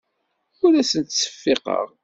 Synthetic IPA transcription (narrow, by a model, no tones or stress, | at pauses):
ʊɾæsənt̪sə̥fːɪqə̰ʁ